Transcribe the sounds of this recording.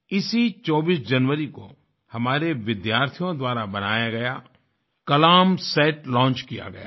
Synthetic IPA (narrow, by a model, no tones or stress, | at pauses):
ɪsit͡ʃɔːbiːsd͡ʒɐnʋəɾiko̰ | hɐmaːɾeʋɪd̪jaːɾt̪ʰijõd̪waːɾabɐnaːjaɡɐja | kɐlaːmsɛːʈlɔ̃ːt͡ʃkija̰ɡɐ̰ja̰ː